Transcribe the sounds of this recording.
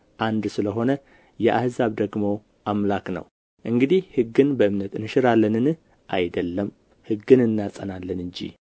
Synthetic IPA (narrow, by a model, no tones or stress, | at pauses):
ʔand̪sɨləɦo̞nə | jɛʔahzaβd̪əɡmo | ʔamlaknə̰w | ʔɨŋɡɨd̪ihhɨɡːɨnbəʔɨmnət̪ɨnʃɪɾalːənɨnɨ | ʔajd̪əlːəm | hɨɡɨnɨnːasʼənalːənɨɲd͡ʒḭ